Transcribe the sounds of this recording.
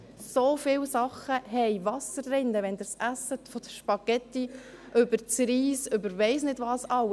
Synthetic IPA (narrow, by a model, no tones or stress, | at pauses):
sofɪwsɑχəhɛɪvɑsərːɪnd̪əʋɛnd̪əɾsæsətfɔd̥̪əʃpɑɡ̥ɛt̪ːi | ʔʏbəɾt͡sɾiːsʏbəɾʋɛɪsnɪdʋɑːsɑw